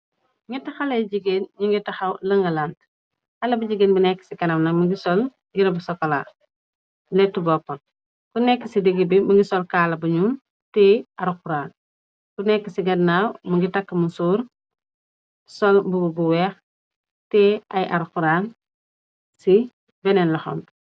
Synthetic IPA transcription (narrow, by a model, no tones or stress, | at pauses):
ɲitɐxɐlɐjɟiɡenɲiŋɡitɐxɐwlɐŋɡɐlant | xɐlɐbuɟiɡeːnbunɛkːə̥sikɐnɐmnɐmɐɡisɔl | ɡiɾɐbusɔkːɔla̰ː | lɛtːubɔpːɐl | kunɛkːɐsideɡːibimɐŋɡisɔlkaːlɐbuɲum | tɛʔaɾxuɾaːn | kunɛkːɐsiɡɐdnaːwmuŋɡitakːɐmusuːɾ | sɔlbubuwɛːx | tɛʔɐjʔaɾxuɾaːn | si | bɛnɛnlɐxo̰m